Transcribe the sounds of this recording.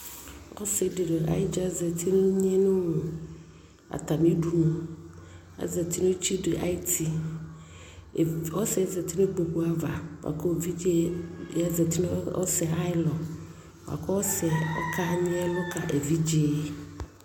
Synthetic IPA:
ɔ̰˦se˨de˨ɖe˨a̰˨ɪ˦d͡ʒa˦zɛ˨t̪ʰi˦nʊ˦ɲ˦ɛ˦nʊ˦nũ˨ | a̰˨t̪a˨mi˦du˦nũ˨ | a̰˨˦zɛ˨ti˦no˦t͡ʃi˦de˨ʔa̰˦i˦ti˨ | ɔ˦sɛ˨˦zɛ˨t̪i˦ne˦ɡ͡bo˨ku˦a˦va̰˨wa̰˨kɔ˦˨vi˦d͡ʒi˦ja˦zɛ˨t̪i˦n˦ɔ̰˦sɛ˨a˦ɪ˦lɔ˨ | wa̰˨kɔ˦ɔ˦sɛ˨ɔ˦kʰa˦ɲĩ˦ɛ˦lɔ˦ka˨ʔe˨vi˦d͡ʒi˦˨˦

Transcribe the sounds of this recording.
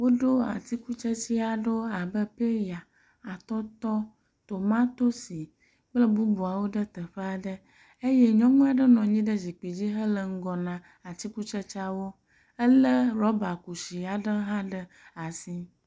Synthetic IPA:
wo˦ɖo˦a̰˨t̪i˦ku˦t͡ʃə˦t͡ɕi˦a˨ɖo˦a˨bə˦pe˦ja˨ | a˨t̪ɔ˦t̪ɔ˦ | t̪o˨mã˦t̪o˦si˨ | k͡plə˦bu˦bu˨a˨wo˦ɖə˦t̪ə˨ɸə˦a˨ɖə˦ | e˦je˦ɲɔ̃˦ŋũ˦a˨ɖə˦nɔ̃˨ɲĩ˦ɖə˦zi˨k͡pi˨d͡ʑi˦ɦə˦lə˨ŋ̩˦ɡɔ˨nã˨ | a˨t̪i˦ku˦t͡ʃə˦t͡ʃa˦wo˦ | ə˦lə˦ɾɔ˦ba˨ku˨si˨a˨ɖə˦ɦã˦ɖə˦ | a˨si˦

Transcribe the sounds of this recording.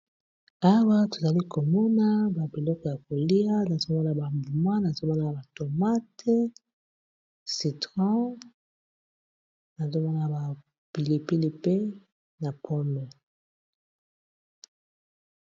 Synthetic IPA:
a˦wa˦to˨za˨li˦ko˨mɔ˦na˦ba˨bi˨lɔ˦kɔ˨ja˨ko˨li˦a˦na˨zo˦mɔ˦na˨ba˨ɱvu˨mã˦na˨zo˦mɔ˦na˨ba˨to˨ma˦te˦ | si˨tʁɑ̃˦ | na˨zo˦mɔ˦na˨ba˨ | pi˨li˨pi˦li˦pe˦ | na˨pʰɔ˦mɛ˨

